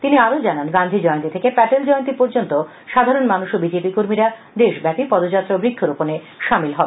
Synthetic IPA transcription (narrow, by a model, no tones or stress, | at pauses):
t̪iniaɾod͡ʑananɡand̪ʱid͡ʑɔjont̪it̪ʰekepɛʈeld͡ʑɔjont̪ipoɾd͡ʑont̪o | ʃad̪ʱaɾonmanuʃobid͡ʑepikoɾmiɾa | d̪eʃbɛpipɔd̪od͡ʑat̪ːɾobɾikʰːoɾopone | ʃamilɦɔbe